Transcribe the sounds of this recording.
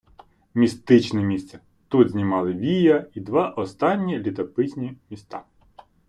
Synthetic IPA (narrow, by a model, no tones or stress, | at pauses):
mʲist̪ɪt͡ʃnɛmʲist̪sɛ | t̪ud̪zʲnʲimɑlˠɪʋʲijɐid̪ʋɑʔɔst̪ɑnʲːilʲit̪ɔpɪsʲnʲimʲist̪ɑ̰